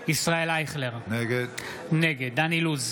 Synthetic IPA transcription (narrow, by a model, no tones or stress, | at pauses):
isʁaelajχleʁneɡed | neɡed̪̚ːaniluz